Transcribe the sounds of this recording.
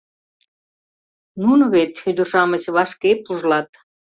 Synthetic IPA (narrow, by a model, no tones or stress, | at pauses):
nunβet̪xyd̪ə̆rʃɑmət͡ɕβɑʃkepuʒlɑt̪